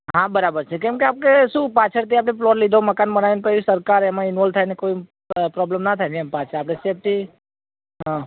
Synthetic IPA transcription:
ɦãbəɾabəɾt͡ʃʰekɛ̃mkeap̚keʃũpat͡ʃʰəɾt̪̬ʰiapneflɔɾlid̪ʱoməkanbənaʋenkəiisəɾkaɾɛmãɪnʋɔlt̪ʰajnekoi | pɾɔblemnat̪ʰajniɛmpat͡ʃʰəɾapnesep̚ʈ̪i | ɦã

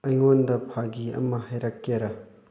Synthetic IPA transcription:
ɐjŋondɐpʰaɡiɐ̰mɐhɐjɾɐkːeɾɐ

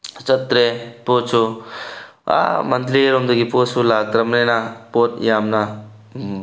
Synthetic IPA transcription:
t͡ʃɐt̪ɾepoːt͡ʃʰu | a̰mɐnt̪ɾieɾomd̪uɡipoːsulaːt̪ɾɐmnenapoːt̪jaːmna

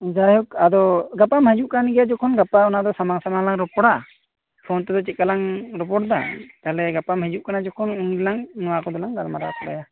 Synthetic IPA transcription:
d͡ʒajɔkad̪ɔɡapamɛd͡ʒuʔkaniɡɛjad͡ʒɔkʰɔnɡapaɔnad̪ɔsamaŋsamaŋlaŋɾɔpɔɽa | pʰɔnt̪ɛd̪ɔt͡ʃɛt̪̚kalaŋɾɔp̬ɔɽd̪a̰t̪alɛɡapamhɛd͡ʒuʔ̚kanad͡ʒɔkʰɔnuŋdilaŋnɔwakɔd̪ɔlaŋd̪almaɾa̰kɔɗa̰ja

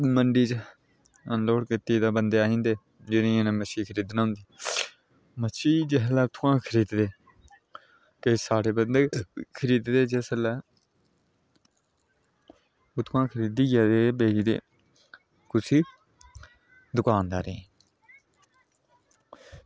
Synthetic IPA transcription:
məɳɖiːt͡ʃ | loːɽkɪt̪iːd̪aːbənd̪eːaːĩːnd̪eː | d͡ʒɪnĩːnãːməsiːkʰəɾiːd̪nãːʊnd̪iː | mət͡ʃiːd͡ʒeɦəlɛːt̪ʰːãːkʰəɾiːd̪d̪eː | kəisaːɽeːbənd̪eːkʰəɾiːd̪d̪eːd͡ʒesəlɛː | ʊt̪ʰuãːkʰəɾiːd̪iːjaːd̪eːbeːd͡ʒid̪ḛː | kʊsiː | d̪ʊkaːnd̪a̰ːɾẽː

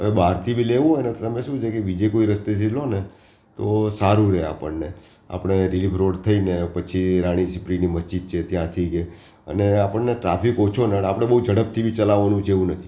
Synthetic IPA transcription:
əʋebaɾt̪ʰibʱileʋũɦojnət̪t̪əmeʃũt͡ʃekeʋid͡ʒekoiɾəst̪es̬ilone | t̪osaɾuɾea̰pəɳːe | a̰pɽ̃eɾilifɾoɽt̪ʰəinepət͡ʃʰiɾaɽ̃isipɾiniməsd͡ʒid̪̚t͡ʃʰet̪jãt̪ʰiɡe | ə̰neapəɳneʈɾapikot͡ʃʰonəɽapəɽ̃eɓəud͡ʒəɽəp̚t̪ʰibʱit͡ʃəlaʋanũt͡ʃʰeʋũnət̪ʰi̥

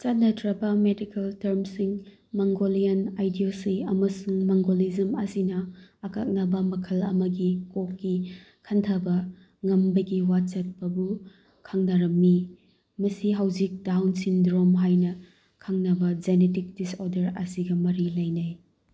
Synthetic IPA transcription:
t͡ʃat̚nɐtɾɐbɐmedikeltɐɾmsiŋ | maŋɡolijɐnajdiosiɐmɐsuŋmaŋɡolizɐmɐsinɐːka̰k̚nɐbɐmɐkʰɐlɐ̰mɐɡikokːi | kʰɐntʰɐbɐ | ŋɐmbɐɡiwat͡ʃɐt̚pɐbu | kʰaŋnɐɾɐmːi | mɐsiɦawzik̚dawnsindɾomɦajnɐ | kʰaŋnɐbɐd͡ʒenetik̚disoɾdɐɾɐ̰siɡɐmɐɾilɐjnaj

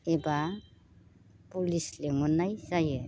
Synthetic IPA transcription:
eba | pulisleŋɔnajsaje

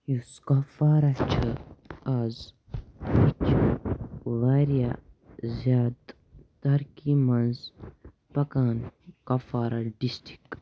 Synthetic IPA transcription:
juskɐfaːɾɐt͡ʃʰɨaz | wit͡ʃʰ | ʋaːɾjazjaːd̪ | t̪ɐɾkimɐnz | pɐkaːnkɐfaːɾaɖisʈi̥k

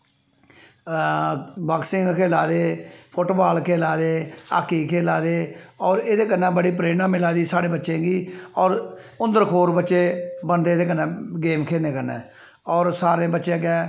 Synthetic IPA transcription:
baːksɪŋɡkʰeːlaːd̪eːpʰʊʈːbaːlkʰeːlaːd̪eːa̰ːkːiːkʰeːlaːd̪eːɔːɾeːd̪eːkənːaːbəɽiːp̬ɾeːnãːmɪlaːd̪iːsaːɽeːbətːʃẽːɡiːɔːɾʊ̃nd̪əɾkʰoːɾbətːʃeːbənd̪eːd̪eːkənːãːɡeːmkʰeːneːkəɾnɛ̰ː | ɔːɾsaːɾẽːbətːʃẽːɡɛ̃ː

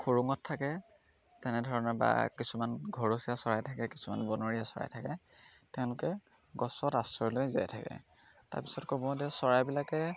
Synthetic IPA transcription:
kʰoɹuŋɔtʰːakɛ | tɛnɛdʱɔɹɔnaba̰kisumanɡʱɔɹosiasɔɹajtʰakɛki̥suma̰nbɔnoɹijasɔɹa̰jtʰakɛ | tɛʊ̃lʊkɛ | ɡɔsɔtastɹɔlojza̰jtʰakɛ̰ | ta̰ɹpi̥sɔtkɔbɔdɛsɔɹajbilakɛ

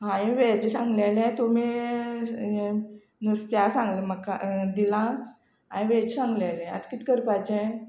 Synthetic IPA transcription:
ɦãjẽʋed͡ʑsãŋɡlɛlɛ̃t̪omi | nəst̪jasãŋɡləməkːa̰d̪ilã | a̰ĩʋed͡ʑsãŋɡlɛlɛ̃a̰t̪kit̪kəɾpad͡ʑɛ̃

